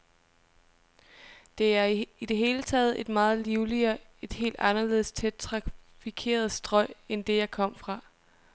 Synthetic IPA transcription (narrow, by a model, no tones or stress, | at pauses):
d̥e̝æɐid̥e̝ɦe̝ːlət͡sʰɛ̰ːð̞̩ˠe̝d̥mɑ̈ːð̞̩ˠliʊliɐ | e̝d̥he̝̰ːld̥ɑ̈nɐle̝ð̞̰ˠst͡sʰed̥̚t͡sʰʁɑ̈fikʰe̝̰ːɐð̞ˠsd̥ʁɒ̽ɪ̰end̥e̝jɑ̈ɪkʰɒ̽m̰fʁɑ̈